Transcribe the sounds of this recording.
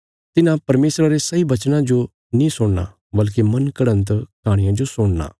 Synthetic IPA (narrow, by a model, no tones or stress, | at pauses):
t̪ɪnãpɐɾmeːsɾaɾesɐibɐt͡ʃnãd͡ʒo | nĩsʊɽna̰ | bɐlkemɐnkəɽə̃nt̪kʰaːɽ̃ɪjãd͡ʒosʊɽna̰ː